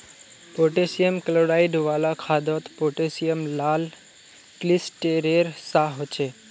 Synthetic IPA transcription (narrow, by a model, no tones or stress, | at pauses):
poʈesijəmkəloɾaiɖʋaːlakʰad̪ɔt̪poʈesijəmlal | klisʈeɾeɾsaɦot͡ʃʰe